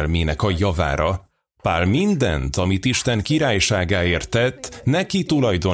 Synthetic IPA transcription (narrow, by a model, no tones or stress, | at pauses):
lmeːnɛkɒjɒva̰ːɾɒ | paːlmind̪ɛ̰nt̪ɒmit̪iʃt̪ɛŋkiɾaːjʃaːɡaːeːrt̪ːɛt̪ːnɛkit̪ulɒjd̪o